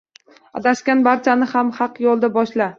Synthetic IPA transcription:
a̰d̪aʃkʲanbaɾt͡ʃʰanɪhamhɑqjɒlˠd̪abɒʃla

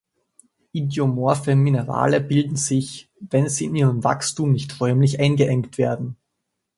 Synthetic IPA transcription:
ʔidjomoɐfəminəʁa̰ːləbɪldn̩z̥ɪçvɛnziːɪniːʁ̞əmva̰kstuːmnɪçtʁœʏmlɪçʔaɪnɡəʔɛŋktv̥eːɐdn̩

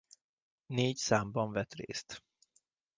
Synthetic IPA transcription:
neːɟsaːmbɒɱvɛt̪rḛːst̪

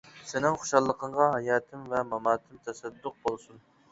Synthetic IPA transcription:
sɪnɪŋχo̥ʃɑlˠːəqʰəɴʁɑɦɑjɑːt̪ʰɪmvɛmɑmɑːt̪ʰɪmt̪ʰɛsɛd̪ːʊq̚bolˠsun

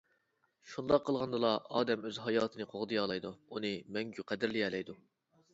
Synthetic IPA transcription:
ʃund̪ɑqʰːəlˠʁɑnd̪ɨlˠɑɑ̰ːd̪ɛmøzɦɑjɑːt̪ʰɨnɨqʰoʁd̪ɨjɑːlˠɑjd̪uunɨmɛŋɡʲyqʰæd̪ɪɾlɪɛːlɛjd̪u

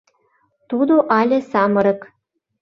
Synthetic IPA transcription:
t̪ud̪oʔɑlʲĕsɑmɤ̆ɾɤ̆k

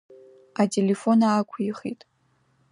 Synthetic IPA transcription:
atʼelefo̞naːkʷʰiχitʼ

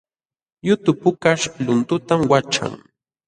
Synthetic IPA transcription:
jʊt̪ʊpʊkaʃlʊnt̪ʊt̪amwat͡ʃa̰ŋ

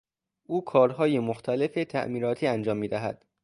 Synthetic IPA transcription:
ʔuːkʰɒːɾɦɒːjemoxt̪ʰæle̞fe̞t̪ʰæ̰ʔmiːɾɒːt̪ʰiːænd͡ʒɒːmːiːd̪æɦæ̰d̪̥

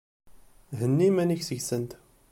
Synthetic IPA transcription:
ɦənːimæniçsəʝsənt̪

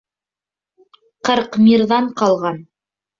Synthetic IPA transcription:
qɤɾqmʲiɾðɑɴqɑlˠʁɑn

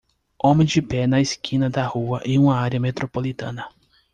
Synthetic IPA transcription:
õmẽj̃d͡ʒɪpɛnɐeskʰĩnɐd̪ɐhuɐʔẽũmɐaɾiɐmet̪ɾopolit̪ɐ̰̃nɐ

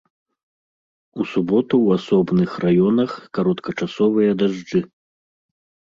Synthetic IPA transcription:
usubɔt̪uwasɔbnɨxrʔajɔnɐxkaɾɔt̪kɐt͡ʂasɔvɨjɐd̪aʐd͡ʐɨ

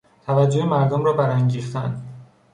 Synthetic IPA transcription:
t̪ʰævæd͡ʒːohemæɾd̪omɾɒːbæɾæŋɟiːxt̪ænd̪

